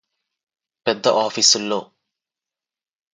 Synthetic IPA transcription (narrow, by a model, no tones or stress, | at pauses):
pɛd̪ːɐʔaːfisulːo̰ː